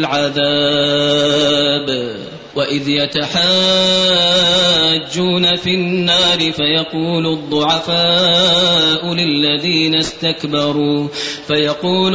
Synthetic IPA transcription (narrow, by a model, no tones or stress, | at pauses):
ʕaðaː | b | waʔɪðjat̪aħaː | d͡ʒːuːnafinːaːɾɪfajɑquːlʊd̪ˤːʊʕafaː | ʔʊlɪlːaðiːnast̪akbɑɾˤuːfajɑquːl